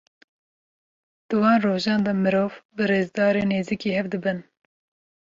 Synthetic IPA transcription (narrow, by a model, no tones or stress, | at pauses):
d̪̥ɨwɑːnroːʒɑːnd̪ɑmɨɾoːvbɨɾeːzd̪ɑːɾeːneːziːkiːhɛvd̪ɨbɨn